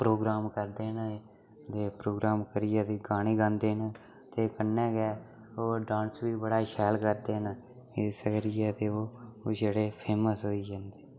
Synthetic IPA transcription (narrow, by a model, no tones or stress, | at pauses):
pɾoːɡɾaːmkəɾd̪eːn | d̪eːpɾoːɡɾaːmkəɾɪjaːt̪eːɡaːɽ̃iːɡãːnd̪eːn | t̪eːkənːɛ̃ːɡɛː | oːɖãːnsʋiːbəɽaːʃɛːlkəɾd̪eːɦn | ɪsəkəɾɪjɛːt̪eːoːd͡ʒeːɽeːpʰeːməsɦoːiːd͡ʒãːnd̪eː